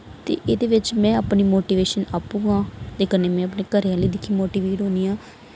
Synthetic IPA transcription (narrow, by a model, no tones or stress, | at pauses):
t̪ḛːʔeːd̪eːʋɪt͡ʃmɛ̃ːəpniːmoːʈiːʋeːʃənaːpũːɡãːt̪eːkəneːmɛ̃ːəpneːkəɾeãləiːd̪ɪkʰiːmoːʈiːʋeːʈɦõːniːjãː